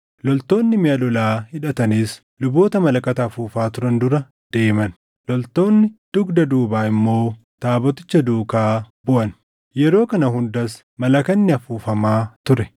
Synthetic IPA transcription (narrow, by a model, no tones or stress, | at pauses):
lɔlt̪o̞ːnːɪmɪɐlɔlaːhɪᶑɐt̪ɐniːs | lʊbo̞ːt̪ɐmɐlɐkʼɐt̪ɐːfuːfaːt̪ʊɾɐnd̪ʊɾɐ | d̪̥e̞ːmɐn | lɔlt̪o̞ːnːɪd̪̥ʊɡd̪ɐd̪uːbaːɪmːo̞ː | t̪aːbɔt̪ɪt͡ʃːɐd̪uːkaːbʊʔɐn | jɛɾo̞ːkɐnɐɦʊnd̪ɐs | mɐlɐkɐnːɪɐfuːfɐmaːt̪ʊɾɛ